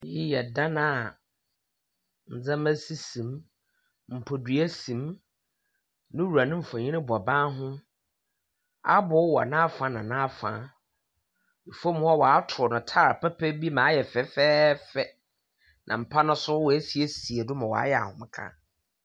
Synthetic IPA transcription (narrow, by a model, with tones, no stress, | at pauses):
i˦jɛ˨dã˦nã˨ | n̩˨d͡zã˦mæ̃˦si˦sĩ˨m | m̩˨pʰo˨dɥæ˦sĩ˨m | nɪ̃˦wu˨ɾa˨nʊ̃˦m̩˨fã˨ɲĩ˦nɪ̃˦bɔ˨baː˦ɦʊ̃˦ | a˦bʊ˨˦wɔ̰˨nã˦fã˨˦nã˨nã˦fã̰˨˦ | i˨fo˦m˦ɔ˦wɔ˨a˦tʰʊ˨ɔ˨nʊ̃˨tʰaː˦ɾa˨pɛ˦pʰɛ˦bi˦mã˨˦jɛ˨fɛ˦fɛː˦fɛ˦ | nʔã̰˨m̩˨pʰa˦nʊ̃˦sʊ˦wɔ˨e˦si˨e˦si˨e˨dʊ˦mã˨wɔ̰˨a˦jɛ˨a̰˨hʊ̃˦m˦kʰã̰˦